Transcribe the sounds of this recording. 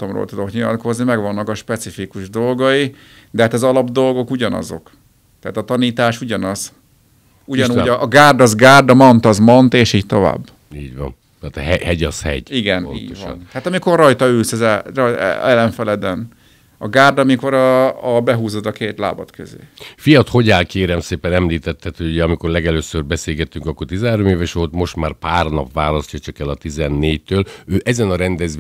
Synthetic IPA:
t̪omro̰ːlt̪ud̪o̞kɲilɒ̰t̪ko̞znimɛɡʋɒnːɒkɒʃpɛt̪sifikuʒd̪o̞lɡɒji | d̪ɛɦaːt̪ɒzɒlɒbd̪o̞lɡo̞kuɟɒnɒ̰zo̞̰k | t̪ɛaːt̪ɒt̪ɒniːt̪aːʃuɟɒnɒz̥ | uɟɒnuːɟɒʔɡaːrd̪ɒzɡaːrd̪ɒmɒnt̪ɒzmɒnt̪eːʃiːc̚t̪o̞va̰ːbː | iːɟʋɒ̰nːt̪ɦɛhɛɟɒshɛ̰ɟiɡɛnnḭːɟoʋɒ̰nhaːt̪ɒmiko̞rːɒjt̪ɒyːsɛzɛrj̰ɛlɛɱfɛlɛd̪ɛn | ɒɡaːrd̪ɒmiko̞ɾɒːbɛɦuːzod̪ɒkeːt̪la̰ːbɒt̪køzḛːfijɒt̪ho̞ɟaːlkeːɾɛmseːpɛnɛmliːt̪ɛt̪ːɛt̪hoɟuɟɛɒmiko̞rlɛɡɛløːsørbɛseːlɡɛt̪ːyŋkɒkːo̞rt̪izɛɦaːɾomeːvɛʃoːlt̪mo̞ʃt̪maːrpaːrnɒpʋaːlɒscɒt͡ʃɒkɛlɒt̪izɛnːeːct̪øːløːʔɛzɛnɒɾɛnd̪ɛz

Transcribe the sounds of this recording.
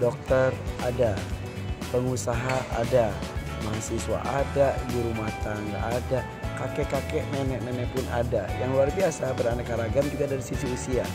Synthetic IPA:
dɔk̚t̪ərada | pəŋusaɦaʔa̰da | maɦasiswa̰ʔadadiɾumat̪aŋɡa̰ʔada | kakɛʔkakɛʔnɛnɛʔnɛnɛʔpʊnʔa̰dajaŋluarbiasabəranakaɾaɡamd͡ʒuɡadaɾisisiusia

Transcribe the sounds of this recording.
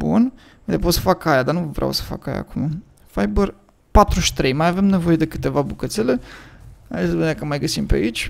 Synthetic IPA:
bṵn | vijt̪ep̬ot̪sə̥fakajad̪anuvəvɾʔa̰wsə̥fa̰ka̰ja̰ːkuma | fajbər | pat̪ɾuʃʲt̪ɾejmajave̞mne̞vo̞je̞d̪e̞kɨ̥t̪e̞vabukət̪sele̞ | a̰esbinakəmajɡəsimpea̰it͡ʃʲ

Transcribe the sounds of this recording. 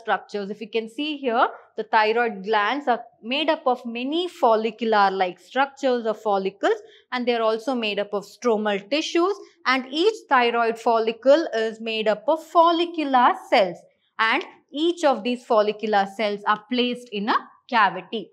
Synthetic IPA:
sʈɾʌk̚t͡ʃəɾsɪfjiːkɛ̃nsiːɦiəɾd̪̥ət̪ʰaɪɾɔɪɖ̚ɡlæ̃nɖsaːɾmeːɖʌpɔʋmɛnifɔːlɪkjʊlaːzlaɪksʈɾʌk̚t͡ʃəɾzɔːfɔːlɪkəlz | æ̃ɳɖd̪eːaɾɔːlsoːmeːɖʌpɔʋsʈɾoːməlʈɪʃuːz | æ̃ɳɖiːt͡ʃt̪ʰaɪɾɔɪɖfɔːlɪkəlɪzmeːɖʌpɔʋfɔːlɪkjʊlasɛls | æ̃ɳɖ | iːt͡ʃɔʋd̪iːzfɔːlɪkjʊlasɛlsaːɾpleːsʈɪ̃nə | kjæʋɪʈi

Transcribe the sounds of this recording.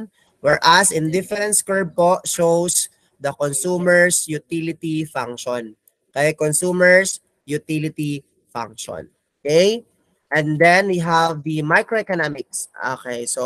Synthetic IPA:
wɛɹʔɐsɪ̃nd̪ɪfɛɾɛ̃nt̪skɛɹb̚poʃows | d̪ɐkonsuːmɛɹsjut̪ilɪt̪ifãŋkʃɔn | kɐjkonsuːmɛɹs | jʊt̪ilɪt̪i | fã̰ŋkʃɔ̰n | okej | ʔɛ̃nd̪ɛ̃nwiɦavd̪imajkɾoʔɛkɐnamɪkso̰kejso

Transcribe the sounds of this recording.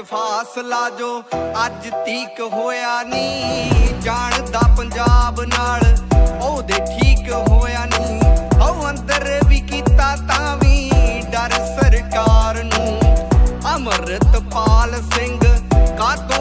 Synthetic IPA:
pʰaːslaːd͡ʒoːəd͡ʒt̪iːkɦoːjaːnĩːd͡ʒaːɳd̪aːpəɲd͡ʒaːbnaːɭoːd̪eːʈʰiːkɦoːjaːnĩːɦəũːə̃nd̪əɾʋiːkiːt̪aːt̪ãːʋiːɖəɾsəɾkaːɾnũː | əməɾət̪paːlsɪŋɡkaːd̪oː

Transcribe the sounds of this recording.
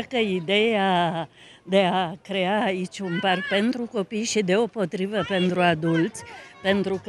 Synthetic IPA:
kəid̪e̞a | d̪e̞akɾe̞aːit͡ʃʲunpark̚pe̞nt̪ɾuko̞pijʃid̪e̞opo̞t̪ɾivəpe̞nt̪ɾuad̪ult̪sʲpe̞nt̪ɾuk

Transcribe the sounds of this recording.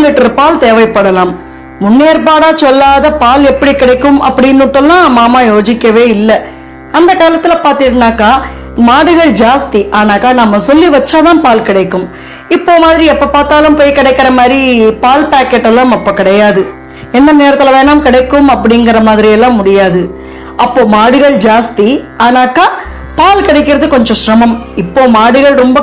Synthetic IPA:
lɪʈːɐɾpaːlt̪eːʋɐɪpːɐɽɐlaːmː | ʊnːeːɾpaːɽaːsɔlːaːðɐpaːlɛpːɐɽikːɪɽɐɪkːɯmʔɐ̰pːɐɽɪnːʊʈːɐlːãːmaːmaːjoːd͡ʒɪkːɐʋeːɪlːɐ | ɐnd̪ɐkaːlɐt̪ːɪlɐpaːɾt̪ɪʈɯnːaːkaː | maːɽɯɣɐɭd͡ʒaːst̪iʔaːnaːkaːnɐmːɐsɔlːiʋɐt͡ʃːaːt̪ãːpaːlkɪɽɐɪkːɯm | ɪpːoːmaːðɪɾiɛpːopaːɾt̪aːlɯmpoːjkɪɽɛɪkːɪɾɐmaːðɾipaːlpaːkɛʈːɛlːãːmɐpːoːkɪɽɐjaːðɯ | ɛnːɐneːɾɐt̪ːɪlɐʋeːnaːmkɪɽɐɪkːɯmɐpːɐɽɪŋɡɐɾɐmaːðɪɾɪjɛlːãːmʊɽɪjaːðɯ | ʔɐpːoːmaːɽɯɣɐɭd͡ʒaːst̪iaːnaːkaː | paːlkɪɽɐɛɪkːɪɾɐðɯkɔɲd͡ʒɔ̃ʃɾɐmɐmɪpːoːmaːɽɯɣɐɭɾɔmbɐ

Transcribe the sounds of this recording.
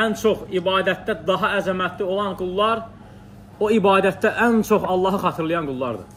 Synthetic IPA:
ænt͡ʃʰo̞χibɑːd̪æt̪̚d̪æd̪ɑɦɑæzæmæt̪ʰlio̞lˠɑnɡulˠːɑɾ | oibɑːd̪æt̪̚d̪æʔænt͡ʃʰo̞χɑlˠːɑːɦɯχɑt̪ʰɯɾlˠɯjɑnɡulˠːɑɾd̪ɯ̰

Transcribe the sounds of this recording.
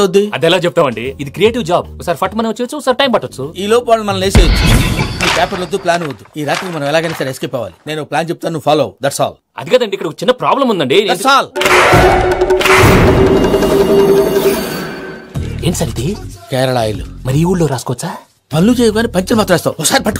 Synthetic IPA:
od̪ːiɐd̪ɛlaːt͡ʃep̬̚t̪aːmɐɳɖiid̪ikɾieːʈiʋd͡ʒaːb̚ɔkɐsaːɾifʰɐʈmɐnɐt͡ʃːet͡ʃːuksaːɾʈɐjmbɐʈːɐt͡sːuiːloːpʋaːɭumɐnɐmleːseːjɐt͡ʃːumiːpɛːpɐɾlod̪ːuplaːnuʋɐd̪ːuiːɾaːʈikmɐnɐ̃mɛlaːɡɐːnesɐɾieskepːɐːʋa̰ːli̥ne̞ːnɔplaːnt͡ʃep̚t̪aːnunuʋːpʰaːloːwud̪ɐʈsa̰ːl | ɐ̰d̪ikɐd̪ɐɳɖikːɐɽɐkɐt͡ʃinːɐpɾaːblɐmund̪ɐɳɖid̪ɐʈsaːl | e̞ːɳisaːɾid̪ikɛːɾɐɭaːjɐlṵmɐɾiiːuːɭːoːɾaːskɔʋɐt͡sːaː | pɐnlut͡ʃeːjɐɡaːnipɐɲt͡ʃɐlɐmaːt̪ɾʋɛːst̪aːwɔkːsaːɾipɐʈː

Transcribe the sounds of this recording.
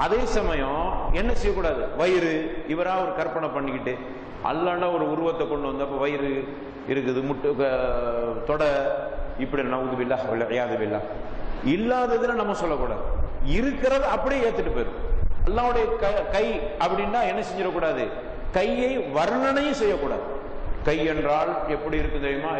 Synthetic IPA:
ɐðeːsɐmɐjɔ̃ɛnːɐsɛjːɐkːuːɽaːðɯʋɐjɪɾɯɪʋɐɾaːɐʋɐɾɯkɐɾpɐɳɐpɐɳːɪkːɪʈːɯ | ʔɐ̰lːaːɳːaːɔɾɯʊɾɯʋɐt̪ːɐkɔɳɖɯʋɐnd̪ɯɐp̬ːoʋɐjɪɾɯ | ɪɾɯkːɯðɯmʊʈːɯ | t̪ɔɽɐɪpːɐɽinnɐʋðɯʋɪlːaːɐlʕɪjaːðɐʋɪlːa̰ːɪlːaːðɐðɯnaːnɐmːɐsɔlːɐkːuːɽa̰ːðɯɪɾɯkːɪɾɐðɯɐpːɐɽijeeːt̪ːɯʈːɯpːeːɾɯ̰ɐlːaːʋɯɽɐjɐkɐkɐɪɐpːɐɽɪnːaːɛnːɐsɛɲd͡ʒɪɾɐkːuːɽaːðɯ | kɐjɐɪʋɐɾɐnɐnɐjʊ̃sɛjːɐkːuːɽa̰ːðɯ | kɐjɛndraːɭɛpːɐɽiɪɾɯkːɯmt̪ɐʋɪjmaː

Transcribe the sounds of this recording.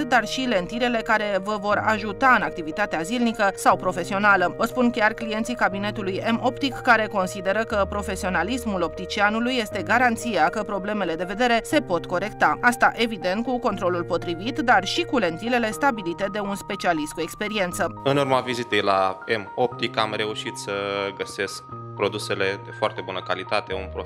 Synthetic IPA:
d̪arʃile̞nt̪iɾe̞le̞kaɾe̞vəvo̞ɾaʒut̪aɨnak̚t̪ivit̪at̪eazilnikəsawpɾo̞fe̞sio̞naləospunkʲarklije̞nt̪sikabine̞t̪uluje̞mo̞pt̪ikːaɾe̞ko̞nsid̪e̞ɾəkəpɾo̞fe̞sio̞nalismulo̞p̚t̪it͡ʃianulujːe̞st̪e̞ɡaɾant̪sijakəpɾo̞ble̞me̞le̞d̪e̞ve̞d̪e̞ɾe̞se̞po̞t̪ko̞ɾe̞kt̪aast̪aʔe̞vid̪e̞nt̪̚kuko̞nt̪ɾo̞lulpo̞t̪ɾivit̪d̪arʃikule̞nt̪ile̞le̞st̪abilit̪e̞d̪e̞unspe̞t͡ʃialist̪kue̞kspe̞ɾie̞nt̪səɨnurmavizit̪e̞jlaemo̞p̚t̪ikamɾe̞uʃit̪səɡəse̞sk | pɾo̞d̪use̞le̞d̪e̞foart̪e̞bunəkalit̪at̪e̞ṵnpɾo

